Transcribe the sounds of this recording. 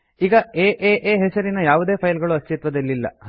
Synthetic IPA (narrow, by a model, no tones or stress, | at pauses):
iːɡɐeːʔeːʔeːɦɛsɐɾinɐjaːʋud̪e̞ːpʰɐjlɡɐɭuɐst͡ʃit̪ʋɐd̪ɐlːilːɐ̰